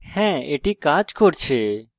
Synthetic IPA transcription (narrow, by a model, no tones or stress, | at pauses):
hɛ̃ːḛːʈiːkaːt͡ʃkʰoːɽt͡ʃʰeː